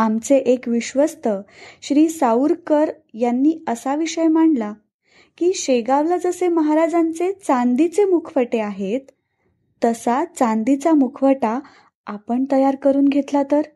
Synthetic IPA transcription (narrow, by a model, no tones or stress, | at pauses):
amt͡seʔekʋiɕʋəst̪əɕɾiːsauɾkəɾ | janːiːəsaʋiɕəjmaɳla | kiːɕeɡaʋlad͡zəseməɦaɾad͡zant͡set͡sand̪it͡semukʰfəʈeaɦet̪ː | əsat͡sãnd̪it͡samukʰfəʈa | apəɳt̪əjaɾkəɾuːnɡʱet̪lat̪əɾ